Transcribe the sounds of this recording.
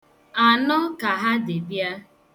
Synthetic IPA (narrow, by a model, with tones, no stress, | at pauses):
a˨nɔ˦ka˨ɦa˦dɪ˨bja˦